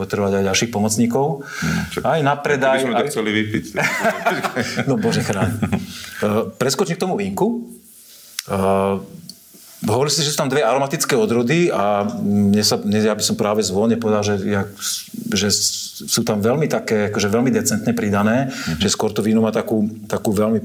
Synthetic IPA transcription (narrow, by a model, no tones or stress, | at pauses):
ɔt̪ɾ̩ʋaɟajɟalʃiːxpɔmɔt͡sɲiːkɔʊ | ajnapɾɛd̪ajɛɔt͡sɛliʋipic̪ | nɔbɔʒɛxɾaːɲɛ | pɾɛskɔt͡ʃimk̚t̪ɔmuʋiŋku | ɦɔʋɔɾilsiʒɛsuːt̪amd̪ʋɛaɾɔmat̪it͡skɛːɔd̪ɾɔd̪iaɲɛsaɲɛjabisɔmpɾaːʋɛzʋɔlɲɛpɔʋɛd̪alʒɛja | ʒɛ | suːt̪amʋɛlmit̪akɛːakɔʒɛʋɛlmid̪ɛt͡sɛnt̪ɲɛpɾid̪anɛːʒ̥ɛskwɔɾt̪ɔʋinumaːt̪akuːt̪akuːʋɛlmi